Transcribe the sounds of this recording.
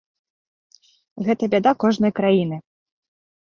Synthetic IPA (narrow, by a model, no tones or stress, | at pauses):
ɣɛt̪ɐbʲad̪akɔʐnɐjkɾajin̪ɨ